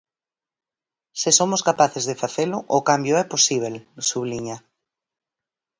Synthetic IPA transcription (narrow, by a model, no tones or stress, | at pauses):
sɪsomʊskapaθezðefaθelʊʔokambjoɛposiβ̞elsuβliɲa